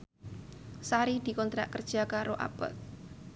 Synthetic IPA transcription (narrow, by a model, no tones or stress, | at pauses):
saɾid̪̥i̤kɔnt̪ɾa̰ʔkərd̥ʒ̥a̤kaɾoʔa̰pə̰t̪̚